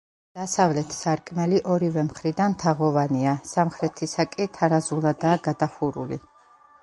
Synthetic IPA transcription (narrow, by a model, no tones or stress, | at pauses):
d̪̥asavlɛt̪ʰsaɾkʼmɛliʔɔɾivɛmχɾid̪anmt̪ʰaʁɔvaniasamχɾɛt̪ʰisakʼit̪ʰaɾazulˠad̪aːɡad̪aχuɾṵlḭ